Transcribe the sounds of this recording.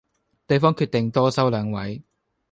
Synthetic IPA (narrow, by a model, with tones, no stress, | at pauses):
t̪e˨jfɔː˥ŋkʰyː˧t̪̚e˨ŋt̪ɔː˥sɐ˥wlœː˨˧˥ŋwɐ˨˥j